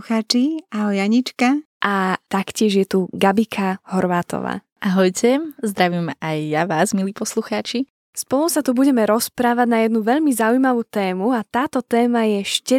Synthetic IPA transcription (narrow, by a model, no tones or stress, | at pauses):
xaːt͡ʃiaɦɔjaɲit͡ʃkaʔat̪akcɪɛʒjɛt̪uɡabikʰahɔɾʋaːt̪ɔ̰ʋa̰ː | ʔaɦɔjcʰɛzd̪ɾaʋimajːaʋaːzmiliːpɔsluxaːt͡ʃi | spɔlˠusat̪ubuɟɛmɛɾɔspɾaːʋaɟnajɛd̪nuʋɛʎmizaujmaʋuːt̪ɛːmuat̪aːt̪ɔt̪ɛːmajɛʃcɛ